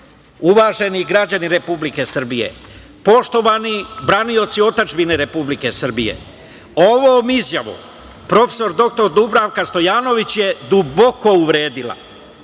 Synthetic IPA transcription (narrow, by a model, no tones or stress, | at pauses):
uʋaːʒe̞niɡɾad͡ʑaniɾepublike̞sr̩bijḛ | po̞ʃt̪o̞ʋanibɾanio̞t̪sio̞t̪ad͡ʒbine̞ɾe̞publike̞sr̩bije̞̰ | oʋoːmizjaʋṵ | pɾo̞fe̥so̞ɾd̪o̞k̚t̪o̞ɾd̪ubɾaʋkast̪o̞jaːno̞ʋit͡ɕje̞d̪ubo̞ko̞uʋɾe̞ːd̪ila̰